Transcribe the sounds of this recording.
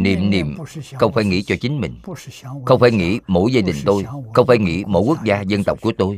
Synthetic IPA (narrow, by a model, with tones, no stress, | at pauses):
nḭ˨˩əmnḭ˨˩əmxə˧wŋ͡mfaː˧˩˦jŋḭ˧˥t͡ɕɔ˧t͡ɕï˨˦ŋ̟mï˨˩ŋ̟xə˧wŋ͡mfaː˧˩jŋḭ˧˥mo̰˧˥jzaː˧ɗï˨˩ŋ̟t̪o˧jxə˧wŋ͡mfaː˧˩˦jŋḭ˧˥mo̰˧˥jku˦˥k̚zaː˧zə˧nt̪ə˨˩k͡p̚ku˧˩ət̪o˧j